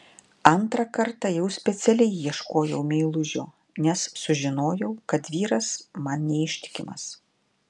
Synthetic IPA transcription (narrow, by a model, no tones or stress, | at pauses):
ɐnt̪ɾɐkɐɾt̪ɑjɛʊsʲpʲɛt̪sʲɛlʲɛɪːiɛʃkoːjɛʊmʲeɪlˠʊʒʲoː | nʲɛssʊʒʲɪnoːjɛʊkɐt̪ʋʲiːɾɐsmɐnnʲɛɪʃʲt̪ʲɪ̥kʲɪmɐ̰s